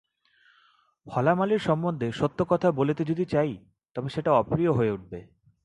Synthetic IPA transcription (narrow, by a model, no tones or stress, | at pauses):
fʰɔlamaliɾʃɔmbːond̪ʱeʃot̪ːokɔt̪ʰabolet̪ed͡ʑod̪it͡ɕaj | t̪ɔbeʃeʈaɔpɾijoɦoeuʈ̚be